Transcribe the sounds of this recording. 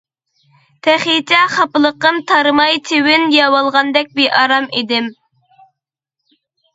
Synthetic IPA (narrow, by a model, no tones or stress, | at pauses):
t̪ʰɛχit͡ʃ̪ʰɛχɑpɨlˠəqːəmt̪ʰɑɾɨmɑjt̪ʰewɪnjɑwɑlˠʁɑnd̪ɛk̚ʲbiʔɑɾɑmid̪ɪm